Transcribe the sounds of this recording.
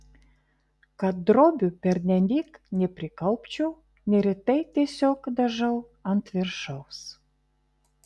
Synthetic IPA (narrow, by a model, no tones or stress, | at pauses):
kɑt̪̚d̪ɾobʲypʲerʲnʲænʲiknʲeprʲikɑlˠpt͡ɕuw | nʲeɾʲet̪ejt̪esʲokd̪ə̆ʒɤl | ɑnt̪vʲerʃəws